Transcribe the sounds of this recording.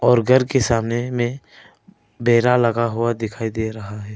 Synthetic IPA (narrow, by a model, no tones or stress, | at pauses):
ɔːɾɡʱəɾkesaːmnemẽ | beːɾalɐɡaɦʊad̪ɪkʰaːid̪eɾɐɦaɦɛː